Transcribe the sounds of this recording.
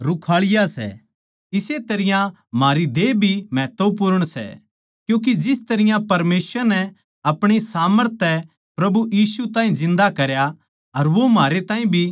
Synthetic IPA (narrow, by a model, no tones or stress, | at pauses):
ɾʊkʰaːɭɪjasɛ̰ | ɪset̪ɐɾɪjã | maːɾid̪eːbʱimɛːt̪əp̬ʊɾəɽ̃sɛ̰ | kjũːk̬id͡ʒɪst̪ɐɾɪjãpɐɾmeːsəɾnɛ | ɐpɽ̃isaːməɾt̪ʰɛ | pɾɐbujiːsut̪aːĩzɪ̃nd̪akɐɾja | ɐɾʋomaːɾet̪ãːɦĩbʱi